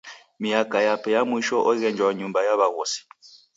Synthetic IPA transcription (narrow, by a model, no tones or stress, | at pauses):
mijakʼajapʰɛjamwiʃɔʔɔiɣɛnd͡ʒwaɲumbajaβaɣoːsi̥